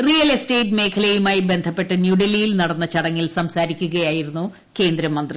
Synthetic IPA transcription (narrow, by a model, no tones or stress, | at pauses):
rijɐleste̞ːʈme̞ːkʰɐlejumaːjibe̞nd̪ʱɐpːe̞ʈːɨnjuɽelijilnɐɽɐnːɐt͡ɕɐɽɐŋːilsɐmsaːɾikʲːuɣɐjaːjiɾunːu | ke̞ːnd̪ɾɐmːɐnd̪ri